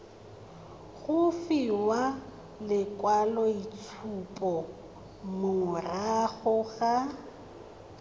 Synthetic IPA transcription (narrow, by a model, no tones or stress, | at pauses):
ɣʊfiwa | lɪkʼwalɔit͡sʰupʼɔ | mʊŋʊraɣʊɣa